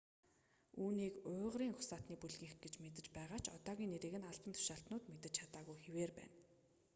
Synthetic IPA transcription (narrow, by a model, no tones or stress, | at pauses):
uːniːkʊːʁɾiːŋχʊ̥saːt̪niːpuɮɣĭŋxɡet͡ɕmet̪ɘ̆t͡ɕpæːʁaːt͡ɕʰɔt̪ɔːɣʲiːneɾĕːɣɘ̆naɮpə̆nt̪ʰʊ̥ʃaːɬt̪nʊːt̪met̪ɘ̆t͡ɕt͡ɕʰat̪aːɣujxeweːrpæ̰ːn